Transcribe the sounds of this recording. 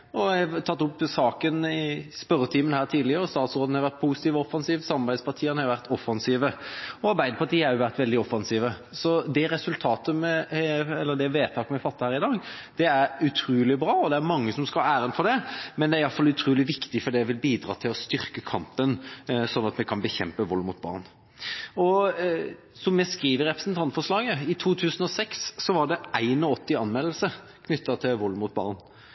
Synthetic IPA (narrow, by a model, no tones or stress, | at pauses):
ɔæɑt̪ʰɑt̪ːʊpːsɑːkənɪspœɾət̪ʰiːmənhæːɾt̪ʰiːd̪lɪəɾɔst̪ɑːt̪sɾoːd̪̩hɑɾʋæɾt̪pʰuːsɪt̪iːʋɔɔfɑnsiːʋsɑmɑbæɪd̪spɑʈ̪ʰiːənəhɑɾjʊʋæɾt̪ɔfɑnsiːʋəɔɑɾbæɪd̪əpʰɑɾʈ̪iːəæɾjʊʋæɾt̪ʋɛld̪ɪɔfɑnsiːʋəsɔd̪ɛɾɛsʉlt̪ʰɑːt̪əmɛɛlːəd̪ɛʋeːt̪ʰɑːkəmɛɛfɑt̪ːəhæːɾɪd̪ɑːɡ | d̪̥ɛæɾʉt̪ʰɾuːlɪbɾɑːɔd̪ɛæɾmɑŋːəsɔmskɑæːɾənfɔɖ̪ɛmɛnd̪ɛæɾɪɑlfɑlʉt̪ʰɾuːlɪʋɪkt̪ɪfɔɖ̪ɛʋɪlbiːd̪ɾɑ̰ːt̪ʰɪlɔst̪ʏʁkəkʰɑmpənsɔnːɑt̪mɛkʰɑnbəçɛ̰mpəʋɔlːmʊt̪̚bɑ̰ʁn | ɔ | sɔmːɛskɾiːʋəɾɛpɾəsnt̪ʰɑnt̪fɔʂlɑːɡəɪt̪ʰuːt̪ʰʉːsənɔsɛksːɔʋɑɖɛæɪnɔɔt̪ːɪɑnmɛlːəl̩sə | kʰnʏt̪ːɑt̪ʰɪlʋɔlmʊt̪̚bɑ̰ʁn